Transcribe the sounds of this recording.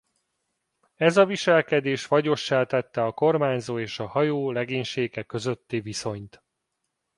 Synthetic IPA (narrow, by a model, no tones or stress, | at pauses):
ɛzɒviʃɛlkɛd̪eːʃʋɒɟo̞ʃːaːt̪ɛt̪ːɛɒko̞rmaːɲzoːeːʃɒhɒjoːlɛɡeːɲʃeːɡɛkø̞zøt̪ːiːviso̞ɲt̪